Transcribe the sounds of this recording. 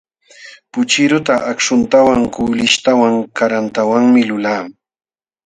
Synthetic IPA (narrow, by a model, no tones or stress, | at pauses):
pʊt͡ʃɪɾʊt̪aʔakʂʊnt̪awaŋkʊːlɪʃt̪awaŋkaɾant̪awaŋmɪlʊlaː